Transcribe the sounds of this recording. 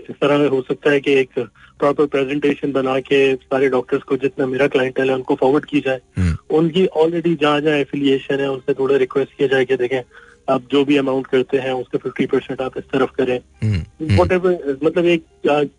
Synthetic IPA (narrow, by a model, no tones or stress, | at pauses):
ɪst̪ɐɾaeɦosɐk̚t̪aɦɛkeeːkpɾɔːpəɾpɾɛːzɛ̃ɳʈeːʃənbɐnakesaːɾeɖɔːk̚ʈəɾzkod͡ʒɪt̪nameːɾaklaːɪə̃ɳʈɛlɦɛʊnkofɔːʋəɾɖkijad͡ʒaːeʊnk̬iʔɔːlɾɛːɖid͡ʒɐɦãd͡ʒɐɦãɛfɪlieːʃənɦɛ̃ʊnset̪ʰoːɽaɾɪkʋɛsʈ̚kijad͡ʒaːeɡed̪eːkʰẽ | aːp̚d͡ʒoːbʱiɐmãːʊɳʈkɐɾt̪eɦɛ̃ʊskafɪfʈipɐɾsɛ̃ɳʈaːpɪst̪ɐɾəfkɐɾẽ | ʋɔːʈ̬ɛːʋəɾmɐt̪ləbeːk̚ | aː